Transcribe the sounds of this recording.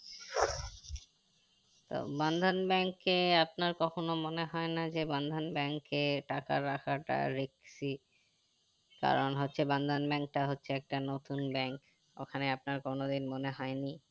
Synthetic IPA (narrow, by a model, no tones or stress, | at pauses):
t̪o̰band̪ʱanbɛŋkeap̚naɾkɔkʰonomoneɦɔenad͡ʑeband̪ʱanbɛŋkeʈaka̰ɾakʰaʈa̰ɾeksi | ka̰ɾonɦotːɕʰeband̪ʱanbɛŋk̚ʈaɦotːɕʰeɛk̚ʈanot̪unbɛŋk | o̰kʰaneapnaɾkonod̪inmoneɦɔeni